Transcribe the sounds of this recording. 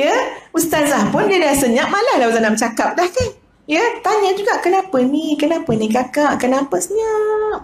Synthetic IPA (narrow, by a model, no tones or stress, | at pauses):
jəust̪anzahpʊndiədasəɲãʔ̚malalauzanamt͡ʃakap̚dahkan | jət̪aɲəd͡ʒuɡaʔkənapənikənapənĩkakaʔkənapəsəɲaʔ